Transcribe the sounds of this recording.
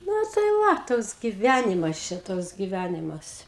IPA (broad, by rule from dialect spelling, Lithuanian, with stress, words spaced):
ˈnʊ tɐɪ ˈʋɐ ˈtoːks ɡʲɪˈʋʲænʲɪmɐs ˈt͡ʃʲɛ ˈtoːks ɡʲɪˈʋʲænʲɪmɐs